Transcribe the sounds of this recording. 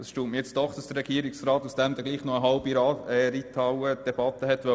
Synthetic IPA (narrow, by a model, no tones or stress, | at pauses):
d̥ɑsʃtuːtmijet͡sd̪̥ɔχd̥ɑsd̥əɾrːɛɡ̥iːɾiksɾɑːt̪usd̥ɛmd̪ɛɡliːχnoəɦɑlbiɾɑɛɾitʰɑwəd̥ɛb̥ɑt̪əɦɛt̪ʋœ